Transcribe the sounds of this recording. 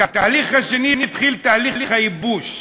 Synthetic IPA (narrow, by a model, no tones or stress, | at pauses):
at̪aːliχhaʃeninit̪χilt̪aːliliχhaibuʃ